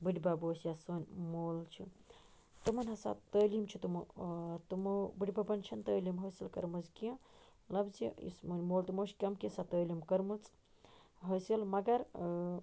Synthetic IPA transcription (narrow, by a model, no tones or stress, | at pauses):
bɨɖʲibaboːsjasoːnʲmoːlt͡ʃʰḭ | t̪ɨmɐnʲɦɐsa̰t̪əːlimt͡ʃʰit̪umut̪ɨmubɨɖʲibabɐnt͡ʃʰɐnt̪əːlimɦəːsilkɐɾmɐzkɐ̃lɐbziḭsmunʲmoːlt̪umot͡ʃʰkʲɐmkisat̪əːlimkɐɾmɨt͡s | ɦəːsilmɐɡɐɾ